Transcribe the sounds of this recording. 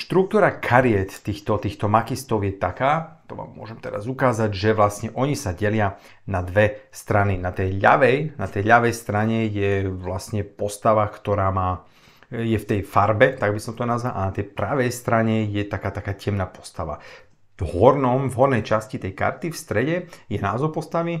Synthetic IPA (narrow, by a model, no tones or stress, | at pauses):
ʃt̪ɾuk̚t̪uːɾakʰaɾiɛt̪t̪ːiːxt̪ɔt̪iːxt̪ɔmakist̪ɔʊjɛt̪akaːt̪ɔʋa̰ːmːʊɔ̰ʒɛmt̪ɛɾa̰zukaːzaɟʒɛʋlasɲɛʔɔɲisaɟɛlɪa | nad̪ʋɛst̪ɾaninat̪ɛjʎa̰ʋɛjnat̪ɛjʎaʋɛjst̪ɾaɲɛjɛʋlasɲɛpɔst̪aʋakt̪ɔɾaːmaː | jɛft̪ɛjfaɾbɛt̪aɡbisɔmt̪ɔnazʋalʔa̰nat̪ɛjpɾaʋɛjst̪ɾaɲɛjɛt̪akaːt̪akaːcɛmnaːpɔ̥st̪aʋa̰ | vɦɔɾnɔmvɦɔɾnɛjt͡ʃascit̪ɛjka̰ɾt̪ifst̪ɾɛɟɛjɛnaːzɔpɔst̪aʋi